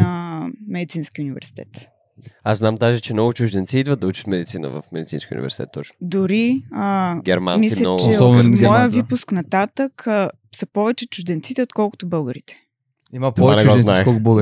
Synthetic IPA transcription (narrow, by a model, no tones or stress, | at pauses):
əmɛd̪it̪sinsk̟ʲiunivɛ̰ɾsi̥t̪ɛ̰t̪ | asznamd̪aʒɛt͡ʃɛmnɔɡʊt͡ʃʊʒd̪ɛnt̪siid̪vəd̪̚d̪ɐut͡ʃt̪mɛd̪it̪sinə̰və̰fmɛd̪it̪sinskiəṵnivɛ̰ɾsi̥t̪ɛ̰t̪ːɔt͡ʃnʊ̥d̪ʊɾiəɡʲɛɾma̰nmisilʲɐnɔɡt͡ʃɛɔbɛmɔjəvipʊsknɐt̪at̪ək | sɐpɔvɛt͡ʃɛt͡ʃʊʒd̪ɛnt̪sit̪ɛot̪kɔlˠkʊ̥t̪ʊbɤlˠɡəɾit̪ɛ̥ | imɐp̪ɔɛaɛɡɔznaɛkɔbəɡ